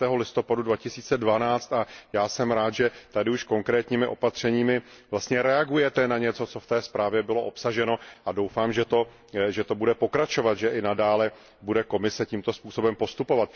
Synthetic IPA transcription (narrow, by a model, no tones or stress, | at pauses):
t̪ɛːɦo̞lɪst̪o̞padudvacɪsiːt͡sɛdvanaːt͡st̪ajaːsɛmɾaːt̪ʒɛt̪adɪuʃko̞ŋkɾɛːt̪ɲiːmɪʔo̞pat̪r̝̥ɛɲiːmɪvlast̪ɲɛɾɛaɡujɛt̪ɛnaɲɛt͡so̞t͡so̞ft̪ɛːspɾaːvjɛbɪlo̞ʔo̞psaʒɛno̞ʔadowfaːmʒɛt̪o̞ | ʒɛt̪o̞budɛpo̞kɾat͡ʃo̞vat̪ʒɛʔɪnadaːlɛ | budɛko̞mɪsɛciːmt̪o̞spuːso̞bɛmpo̞st̪upo̞vat̪